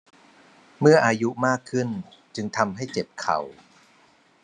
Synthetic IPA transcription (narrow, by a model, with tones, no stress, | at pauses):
mɯ˥˩ɐʔaː˧ju˦˥maː˥˩kʰːɯ˥˩nt͡ɕɯ˧ŋt̪ʰa˧mɦa˥˩jt͡ɕe˨˩p̚kʰa̰˨˩w